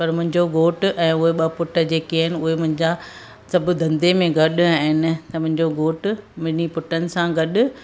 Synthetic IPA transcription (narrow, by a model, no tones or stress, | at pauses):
pɐɾmʊ̃ɦɪ̃ɲd͡ʑoɡoːʈʔɛ̃ːʊɦeɓɐpʊʈə̆d͡ʑeːkiaːɦɪnɪ̆ʊɦemʊ̃ɦɪ̃ɲd͡ʑa | sɐbʱʊ̆d̪ɐ̃nd̪emẽɡɐɗʊaːɦɪnɪ̆t̪ɐmʊ̃ɦɪ̃ɲd͡ʑoɡoːʈmɪ̃nipʊʈənɪ̆sãɡɐɗʊ̆